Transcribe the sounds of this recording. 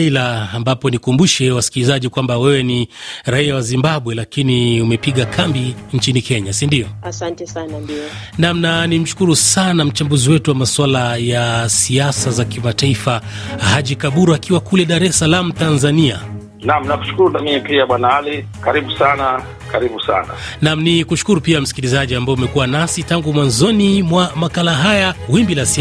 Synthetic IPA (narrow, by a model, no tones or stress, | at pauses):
ilaːmbapɔnikumbuʃɛwasi̥kilizaʄikwambawɛwɛniɾaijawazimbaɓwɛlakiniumɛpiɠakʰambiɲt͡ʃinikɛɲasindiɔasantɛsannamnanim̩ʃu̥kuɾusanam̩t͡ʃambuziwɛtuwamaswalajasiasazakimataifahaʄikaɓuɾuakiwakulɛɗaɾɛsalam̩tanzania̰ | nam̩naku̥ʃu̥kuɾunamimipiaɓwanaali | kaɾiɓusana | kaɾiɓusa̰na̰namnikuʃu̥kuɾupiam̩si̥kilizaʄiambaɔmɛkuwanasitaŋɡumwanzɔnimwamakalaɦajawimbilasi